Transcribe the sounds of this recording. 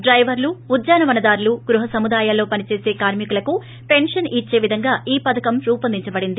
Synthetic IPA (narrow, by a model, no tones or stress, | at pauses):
ɖɾɐjʋɐɾluːd̪jaːnɐʋɐnɐd̪aːɾluɡɾuɦɐsɐmud̪aːjaːlːo̞ːpɐnit͡ʃe̞ːse̞ːkaːɾmikulɐku | pe̞nʂɐnit͡ʃːe̞ːʋid̪ʱɐŋɡaːiːpɐd̪ɐkɐmɾuːpɐnd̪iɲt͡ʃɐbɐɽind̪i